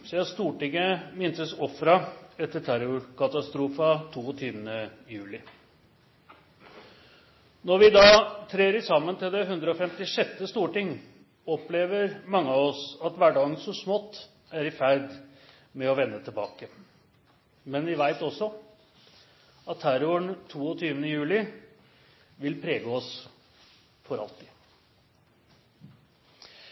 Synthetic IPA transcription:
sɪɑst̪uːʈɪŋːəmɪnt̪əsɔfɾɑɛt̪ːəʈʰæɾʊkɑt̪ɑst̪ɾuːfɑt̪ʰuːɔt̪ʰyːʋənə | jʉːlɪ | nɔɾʋɪd̪ɑt̪ʰɾeːɾəsɑmːənt̪ɪld̪ɛɦʉnd̪ɾəɔfɛmt̪ɪʂɛt̪ːəst̪uːʈɪŋː | ɔpleːʋəɾmɑŋːəɑʋɔsɑt̪ʋæɖɑːɡənsɔsmɔt̪ː | æɾɪfæɾd̪ | mɛɔʋɛnːət̪ʰɪlbɑ̰ːkə | mɛnʋɪʋæɪt̪ɔsːɔ | ɑt̪ʰːæɾɔəɳt̪ʰuːɔt̪ʰyːʋənəjʉːlɪ | ʋɪlpʰɾeːɡəɔs | fɔɾɑ̰lt̪ɪ̥

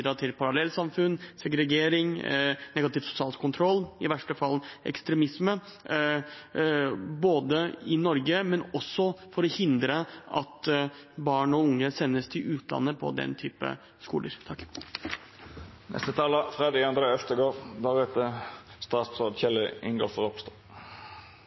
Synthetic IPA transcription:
d̪ɾɑt̪ʰɪlpʰɑɾɑlɛlːsɑmfʉnsɛɡɾɛɡeːɾɪŋnɛɡɑt̪ɪːʋsʊ̥sɪɑːlkʰʊnt̪ʰɾɔlːɪʋæʂʈəfɑlʔɛ̰kst̪ɾɛmɪsmə | boːd̪əɪnɔɾɡəmɛnɔsːɔfɔɾɔhɪnd̪ɾəʔɑ̰t̪ | bɑːɳɔʊŋːəsɛnːəst̪ʰɪlʉːt̪ʰlɑ̰nːəpʰɔ̰d̪ɛ̰nt̪ʰyːpə̰ | skṵːlə̰ɾt̪ʰɑkː | nʔɛ̰st̪ət̪ʰɑːləfʁed̪ɑɑnd̪ɾeœft̪əɡoːʁd̪æʁɛt̪əst̪ɑːspsɑːd̪çɛlːəɪŋɡo̰ːfɔʁɔpst̪ɑ

